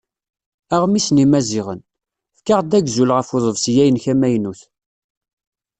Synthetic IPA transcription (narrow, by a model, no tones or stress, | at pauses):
æʁmisnimæzɪʁən | fkaʁd̪æɡzulʁəfoðˤəvsjæjənçæmæjnuθ